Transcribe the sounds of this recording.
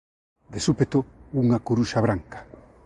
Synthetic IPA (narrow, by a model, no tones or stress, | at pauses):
d̪esupet̪ouŋakuɾuʃaβɾaŋkḁ